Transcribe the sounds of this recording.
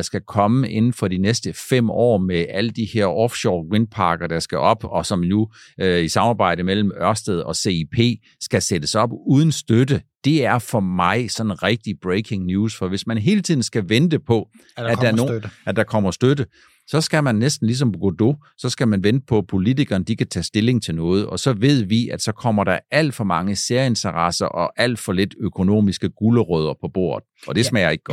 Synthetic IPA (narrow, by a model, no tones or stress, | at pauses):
ɑsɡ̥ækʰɒ̽məe̝nn̩fɒ̽d̥inesd̥əfem̰ɒ̰ːmeæləd̥ihe̝ɐ̰ʔɒfɕɒːʁin̚pʰɑ̈ːɡ̥ɐd̥ɑsɡ̥æʔɒ̽b̥ɒ̽sɒ̽mnuøisɑ̈mɑ̈ːb̥ɑ̈ɪ̰ɾəmel̰m̩ɶɐsd̥eð̞ˠɒ̽se̝ipʰe̝̰ː | sɡ̥æsed̥əsɒ̽b̥uːð̞ˠn̩sd̥ødəd̥e̝æɐfɒ̽mɑ̈ɪsɒ̽nnʁɛɡ̥̚d̥ib̥ʁeɪɡʰe̝ŋnjuːsfɒ̽ʋe̝smænɦe̝ːlət͡sʰiðˠn̩sɡ̥æʋend̥əpʰɒ̽ | æ̥ɑɐnoæd̥ɑ̈kʰɒ̽m̰ɐsd̥ødə | sɒ̽sɡ̥æmænːesd̥n̩lis̬ɒ̽mbɡ̥od̥o | sɒ̽sɡ̥æmænʋend̥əpʰɒ̽pʰo̝lit͡sʰiɡ̥ɐːnəd̥ikʰæt͡sʰɛ̰ːsd̥e̝le̝ŋt͡sʰe̝lnɔ̽ːð̞̩ˠɒ̽sɒ̽ʋe̝ð̞̰ˠʋiæd̥sɒ̽kʰɒ̽m̰ɐɾ̥ɑæl̰d̥fɒ̽mɑ̈ŋəse̝ɐjəe̝nt͡sʰɐʁɑ̈sɐʔɒ̽ʔæl̰d̥fɒ̽le̝d̥økʰo̝no̝̰ːmisɡ̥əɡ̥uləʁœð̞ˠɐpʰɒ̽b̥o̝̰ːɐ̰ðˠɒ̽d̥e̝ssmæjɐe̝ɡ̥əɡ̥ɒ̥